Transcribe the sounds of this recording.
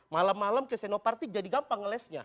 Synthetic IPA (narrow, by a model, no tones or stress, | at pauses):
malamːalamkesɛnopart̪id͡ʒadiɡampaŋːəlɛsɲa̰